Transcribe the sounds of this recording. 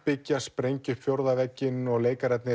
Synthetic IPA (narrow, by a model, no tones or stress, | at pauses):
pɪcːaspɾejɲcʏfjowɾðavɛcːɪnɔɣleːjkaɾɛt̪nɪ